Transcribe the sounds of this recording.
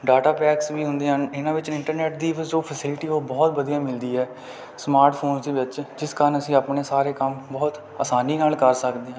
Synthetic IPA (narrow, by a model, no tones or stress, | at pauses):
ɖaːʈaːpɛːksʋiːɦʊ̃nd̪eːɦənɪnãːʋɪt͡ʃɪɳʈəɾnɛːʈd̪iːʋzoːpʰəsɪlʈiːoːbɔːt̪bəd̪ijãːmɪld̪iːɦɛː | smaːɾʈpʰoːnsd̪eːʋɪt͡ʃd͡ʒɪskaːɾənəsĩːaːpɳeːsaːɾeːkəmbɔːt̪ | əːsaːniːnaːlkəɾsəkd̪eːãː